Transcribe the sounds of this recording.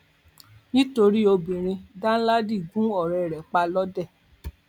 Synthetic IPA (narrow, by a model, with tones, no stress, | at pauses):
nĩ˦to˧ɾi˦o˧bĩ˨ɾ̃ĩ˧dã˦la˦di˦˨ɡũ˦ɔ˦˨ɾɛ˨ɾɛ˨k͡pa˧lɔ˦dɛ˦˨